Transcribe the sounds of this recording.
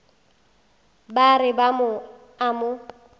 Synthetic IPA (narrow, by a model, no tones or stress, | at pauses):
barɪbamʊ | amʊ